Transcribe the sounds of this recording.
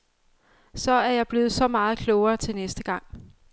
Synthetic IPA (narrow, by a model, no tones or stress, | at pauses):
sɒ̽æɐjɑ̈ɪb̥le̝ːð̩ˠsɒ̽mɑ̈ːð̞̩ˠkʰlɔʊɐːt͡sʰe̝lnesd̥əɡ̥ɑ̈ŋ̰